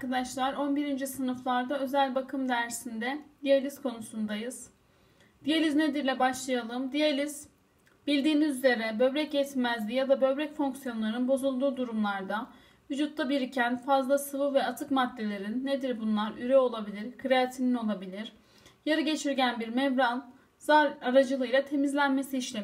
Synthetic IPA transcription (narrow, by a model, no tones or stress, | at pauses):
aɾkad̪aʃlˠaɾo̞nbiɾind͡ʒisɯnɯflˠaɾd̪aø̞zælʲbakʰɯmd̪æɾsind̪ɛd̪ijalʲiskʰo̞nusund̪ajɯz | d̪ijelʲizne̞d̪iɾlʲɛbaʃlˠajalˠɯmd̪ijalʲiz̥ | b̥ilʲd̪iːmizyze̞ɾɛbø̞bɾɛcjɛt̪ʰmæzlʲijad̪abø̞bɾɛcfo̞ŋksijo̞nlˠaɾɯnbo̞zulˠd̪uːd̪uɾumlˠaɾd̪a | vyd͡ʒut̪lːabiɾicʰænfazlˠasɯvɯvɛat̪ʰɯkmad̪ːʲe̞lʲe̞ɾinːe̞d̪iɾbunlˠaɾyɾɛo̞lˠabilʲiɾkʰɯɾeat̪ʰinino̞lˠabilʲiɾ̥ | jaɾɯɟe̞t͡ʃʰiɾɟænbiɾmɛvɾan | z̥aɾaɾad͡ʒɯlˠɯjlˠat̪ʰe̞mizlʲænme̞siːʃlʲe